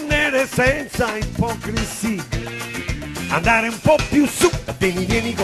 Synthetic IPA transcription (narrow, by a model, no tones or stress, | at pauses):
nːɛɾesɛnt̪saimpɔkɾisi | a̰nd̪aːɾeumpɔpːjusud̪eɲilɛnik